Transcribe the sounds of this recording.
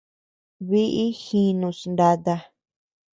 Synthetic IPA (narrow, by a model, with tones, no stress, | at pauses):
βi˦ʔi˦xĩ˧nũ˧snd̪a˧t̪a˧